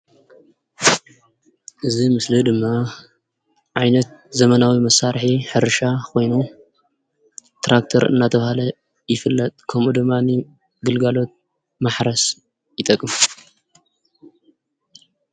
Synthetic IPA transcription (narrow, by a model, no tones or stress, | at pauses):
ʔɨzimɨslɨd̪ɨmːa | ʕajnɐt̪̚zɐmɐnawimɐsːaɾħiħɨɾʃakʰo̞jnu | t̪ʰɾʔak̚t̪ʰoɾɨ̰nːat̪ʰɐβhalɐ | jɪfɨlːɐt̪ʼkʰɐmʔud̪ɨmːanɨ | ɡɨlɡalo̞t̪̚ | maħɾɐs | jɪt̪ʼɐkʼːɨmu